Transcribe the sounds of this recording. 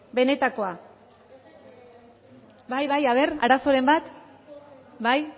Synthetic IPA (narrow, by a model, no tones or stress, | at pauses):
be̞ne̞t̪ako̞a | bajβajaβ̞e̞ɾa̰ɾaso̞ɾe̞mbat̪ | baj